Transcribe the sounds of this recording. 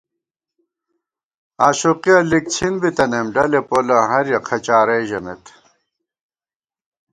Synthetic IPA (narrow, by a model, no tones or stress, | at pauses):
aːɕoqiɐlik̚t͡ɕʰinbit̪ɐnemɖɐlepolɐɦɐɾjɐqʰɐt͡ɕaːɾeːʑɐmḛt̪